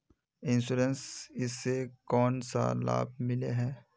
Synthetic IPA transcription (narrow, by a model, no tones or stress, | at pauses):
ɪ̃nsuːɾənsɪsːekɔːnsa̰la̰ːb̚mɪleɦɛː